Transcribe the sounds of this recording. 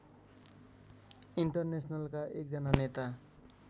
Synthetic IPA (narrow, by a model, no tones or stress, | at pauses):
iɳʈʌrnesnʌlkaʔek̚d͡zʌnanet̪a